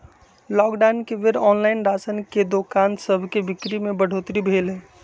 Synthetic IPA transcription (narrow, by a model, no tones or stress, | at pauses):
lɔːkɖankeʋeɾɔːnlaɪnɾasənked̪okansəbʱkebɪkɾimebəɽ̤ot̪ɾibʱeːlɦe